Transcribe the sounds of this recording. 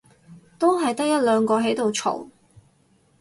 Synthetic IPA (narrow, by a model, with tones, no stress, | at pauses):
t̪o˥wɦɐ˨jt̪ɐ˥k̚jɐ˥t̚lœː˨˧ŋkɔː˧ɦe˨˥jt̪o˨wt͡ʃʰo̰˨˩w